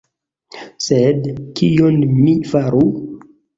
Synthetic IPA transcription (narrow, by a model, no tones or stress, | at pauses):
sedkʰijonmifaɾu